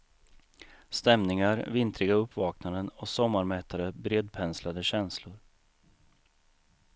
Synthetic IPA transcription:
st̪ɛmnɪŋaɾvɪnt̪ɾɪɡaɵpːvɑːknad̪ənɔsɔmːaɾmɛːt̪ʰaɾəbɾeːd̪̚pʰɛnslad̪əɕɛnslʊɾ

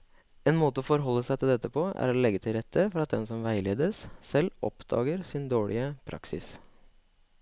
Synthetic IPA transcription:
eːnmoːt̪əɔfɔɾɦɔlːəsæɪt̪ʰɪld̪ɛt̪ːəpʰoːæ̰ɾolɛɡːət̪ʰɪlɾɛt̪ʰːəfɔɾɑt̪̚d̪ɛnsɔmʋæɪleːd̪əssɛlːɔ̰pd̪̥ɑ̰ːɡəɾsɪnd̪oːɭɪ̰əpʰɾɑ̰ksɪ̰s

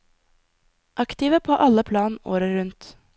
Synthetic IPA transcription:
ʔɑkt̪ɪʋəpʰoːʔɑləpʰlɑːno̰ːɾəɾʉnt̪

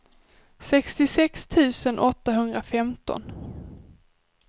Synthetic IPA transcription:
sɛkst̪ɪsɛkst̪ʰʉ̟ːsənʔɔt̪ːaɦɵnd̪ɾafɛmt̪ɔ̰n

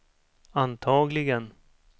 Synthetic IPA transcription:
ant̪ʰɑːɡlɪɡən

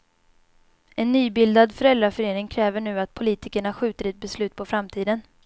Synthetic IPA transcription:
ɛnːyːbɪld̪ad̪fœɾɛld̪ɾafœɾeːnɪŋkʰɾɛːvəɳʉ̟ːat̪̚pʰʊliːt̪ɪkəɳaɧʉ̟ːt̪əɾɛt̪̚bɛslʉ̟ːt̪̚pʰɔfɾamt̪ʰiːd̪ən

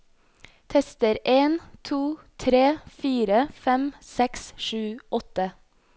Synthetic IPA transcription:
t̪ʰɛst̪əɾʔeːnt̪ʰuːt̪ʰɾeːfiːɾəfɛmsɛksʃʉːʔɔt̪ə

